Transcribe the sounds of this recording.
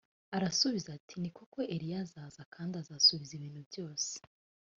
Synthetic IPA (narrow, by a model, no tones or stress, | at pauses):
aɾasuβizatʰinikoko̞ʔe̞ɾijazaːzakʰaːndazaːsuβiziβiːn̥hubjo̞ːse̥